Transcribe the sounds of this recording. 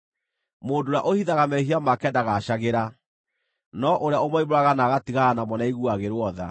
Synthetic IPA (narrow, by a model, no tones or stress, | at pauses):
moːdoɾa̰ʔohiðaɣamɛɦiamakɛːndaɣaɕaɣeɾa | nɔʔoɾeaomɔimoɾaɣanaɣatiɣaɣanamɔnaiɣuaɣeɾwɔða̰